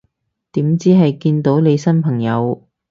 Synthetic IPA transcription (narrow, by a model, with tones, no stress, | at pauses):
t̪iː˨˥mt͡siː˥ɦɐ˨jkiː˧nt̪o˨˥wne˨˧jsɐ˥npʰɐ˨˩ŋjɐ˨˧w